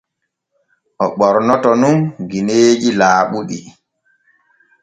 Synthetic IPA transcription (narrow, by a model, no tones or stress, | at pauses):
ʔɔɓɔɾnɔtɔnunɡineːd͡ʒilaːɓuɗi